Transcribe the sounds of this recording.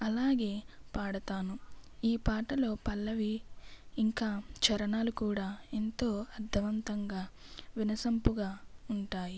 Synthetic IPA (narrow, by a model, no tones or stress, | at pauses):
ɐlaːɡe̞ːpaːɽɐt̪aːnuiːpaːʈɐlo̞ːpɐlːɐʋiː | ŋkaːt͡ʃɐɾɐnaːlukuːɽaːent̪o̞ːɐɾd̪ʱːɐʋɐnt̪ɐŋɡaːʋinɐsɐmpuɡaːuɳʈaːji